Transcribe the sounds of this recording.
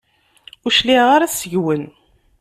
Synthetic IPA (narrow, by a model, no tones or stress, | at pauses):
ʊʃliʁaɾæsəʝwən